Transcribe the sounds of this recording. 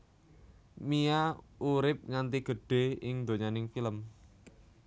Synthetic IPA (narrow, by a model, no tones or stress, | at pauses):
miauɾɪp̚ŋant̪iɡ̥ə̤ɖ̥e̤ɪŋd̪oɲanɪŋfiləm